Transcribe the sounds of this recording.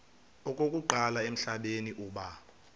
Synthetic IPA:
ɔkʼokʼuǃalaem̩ɬaɓeniʔuːɓa

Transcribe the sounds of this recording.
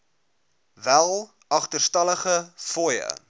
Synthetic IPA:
vælˠ | ɐχtərstɐləχəfɔjə̰

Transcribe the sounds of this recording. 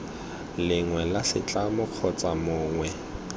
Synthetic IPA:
lɪŋwɛlasɪt͡ɬʼamʊq͡χʰɔt͡sʼamʊːŋwɛ

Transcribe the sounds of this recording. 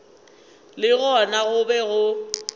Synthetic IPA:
lɪɣɔnaɣʊbɛɣʊ

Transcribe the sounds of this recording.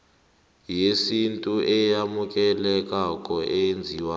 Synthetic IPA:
jesintʼuʔɛjamuk̬ʼɛlɛk̬ʼakʼɔʔɛnd͡zʱiːwa

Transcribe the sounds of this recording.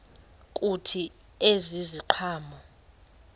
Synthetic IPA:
kʼutʰi | eziziǃʰaːmɔ

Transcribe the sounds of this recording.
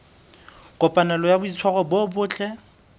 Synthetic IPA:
kʼɔpʼanɛlɔjabʊit͡sʰwaɣɔbobʊːt͡ɬʼɛ

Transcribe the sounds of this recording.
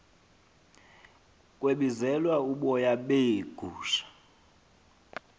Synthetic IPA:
kʼweɓizɛlwauɓɔjaɓeɡ̥ʱuːʃḁ

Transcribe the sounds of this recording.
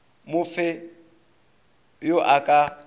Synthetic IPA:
mʊfɪ | joʔakʼa

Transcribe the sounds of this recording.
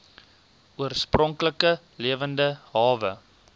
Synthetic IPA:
uərsprɔŋkləkə | liəvəndəɦɑːvə

